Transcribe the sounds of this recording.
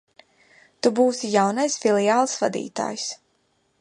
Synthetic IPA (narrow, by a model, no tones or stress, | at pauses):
t̪ubuːsijawnajsfilˠiaːlˠsvad̪ḭːt̪a̰ːjs